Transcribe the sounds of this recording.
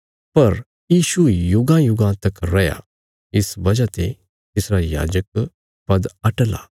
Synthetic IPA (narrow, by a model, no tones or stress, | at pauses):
pɐɾ | jiːʃujʊɡãjʊɡãt̪ɐkɾɐja̰ | ɪsbɐd͡ʒat̪ḛ | t̪ɪsɾaja̰ːd͡ʒək̚ | pɐd̪ɐʈla̰